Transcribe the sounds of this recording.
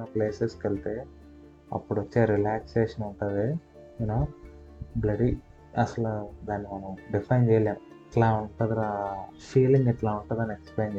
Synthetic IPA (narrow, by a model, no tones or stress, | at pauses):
nɐpleːseskɐlt̪eː | ɐ̰pːuɽʋɐt͡ʃːeːɾilaːkseːʂɐnuɳʈaːd̪i | inoː | blɐɖi | ɐsɐlɐd̪aːnːimɐnɐ̃ɖifʰɐjnd͡ʒejalaːɽɛʈlaːuɳʈaːd̪iafiːliŋɡɛʈlaːuɳʈaːd̪aːnekspleːnd͡ʒe